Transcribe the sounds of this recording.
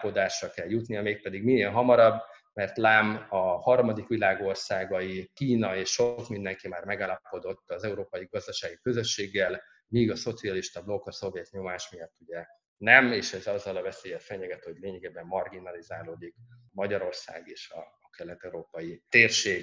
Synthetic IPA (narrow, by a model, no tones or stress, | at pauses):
po̞d̪aːʃːɒlkɛljut̪nijɒmeːk̚pɛd̪iɡmienɦɒmɒɾɒbː | mɛrt̪laːmɒhɒrmɒd̪ikʋilaːɡo̞rsaːɡɒjikiːnɒeːʃʃokmind̪ɛŋkimaːrmɛɡaːlɒpo̞d̪o̞t̪ːɒzɛuɾoːpɒjiɡɒzd̪ɒʃaːɡikø̞zø̞ʃːeːɡːɛl | miːɡɒso̞t̪siɒliʃt̪ɒblo̞ɡɒso̞vjɛt̪ɲo̞maːʃmijɒt̪ːuɟɛ | nɛmeːʃɛzɒzːɒlɒvɛseːjɛlfɛɲɛɡɛt̪ho̞ɟleːɲɛɡebɛmːɒrɡinɒlizaːloːd̪ikmɒɟɒɾo̞rsa̰ːɡeːʃɒ̰ːkɛlːɛt̪ːɛuɾoːpɒjit̪eːrʃeːɡ